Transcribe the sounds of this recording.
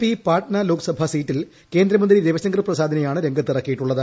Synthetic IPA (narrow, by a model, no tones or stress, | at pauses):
pipaːʈnɐlo̞ːkɨ̥sɐbʱɐsiːʈːil | ke̞ːnd̪ɾɐmɐnd̪ɾiðeʋɐsɐŋɡrɨprɐsaːd̪ʱɐnɐjaːɳɨɾe̞ŋɡʱɐt̪ːirɐkːijiʈːuɭːɐðɨ